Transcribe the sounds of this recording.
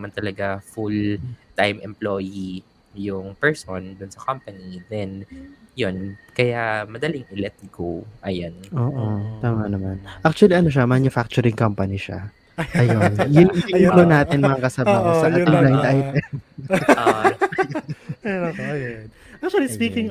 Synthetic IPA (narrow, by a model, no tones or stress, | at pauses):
nɐmant̪ɐlɐɡafult̪ajmʔɛmploji | jʊŋpɛɹsond̪ʊnsɐkampɐnid̪ɛnjonkɐjamɐd̪ɐliŋʔɪlɛt̪̚ɡowʔɐjonʔoːʔot̪aːmɐnɐmanʔak̚t͡ʃuɐliʔɐnoʃ̬ɐmɐɐnʊfak̚t͡ʃʊɾɪŋkɐmpɐniʃa̰ | ɐjonjʊŋlonaːt̪ɪnmɐŋakɐsɐbaːɦosɐaɪŋblaj̪d̪ʔajt̪ɛ | ojn | ʔak̚t͡ʃ̪uɐlispiːkɪŋ